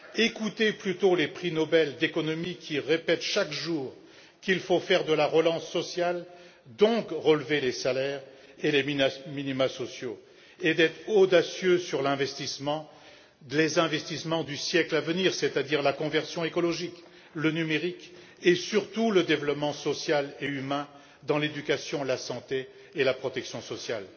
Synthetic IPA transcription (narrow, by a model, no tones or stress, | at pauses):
ekut̪eplyt̪olepχinɔbɛld̪ekɔnɔmikʰʲiʁepɛt̪ʃakʒuːʁ | kilfofɛʁd̪əlaʁəlɑ̃sːɔsjal | d̪ɔ̃kʁəlvelesalɛʁ | elemiminimasɔsjo | ed̪ɛt̪χɔd̪asjøsyʁlɛ̃vɛst̪ismɑ̃ | lezɛ̃vɛst̪ismɑ̃d̪ysjɛklavəniʁset̪ad̪iʁlakɔ̃vɛʁsjɔ̃ekɔlɔʒik | lənymeʁik | esyʁt̪uləd̪evlɔpmɑ̃sɔsjaleymɛ̃ | d̪ɑ̃led̪ykasjɔ̃lasɑ̃t̪eː | lapχɔt̪ɛksjɔ̃sɔsjal